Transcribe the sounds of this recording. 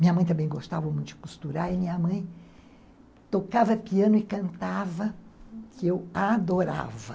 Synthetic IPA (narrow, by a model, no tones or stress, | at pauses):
mĩɲɐmɐ̃j̃t̪ɐ̃mbẽj̃ɡost̪avɐmũjt̪ʊd͡ʒɪ̥kust̪uɾaɾɪmĩɲɐmɐ̃j̃ | t̪okavɐpiɐ̃nʊɪkɐ̃nt̪avɐkɪewad̪oɾa̰vɐ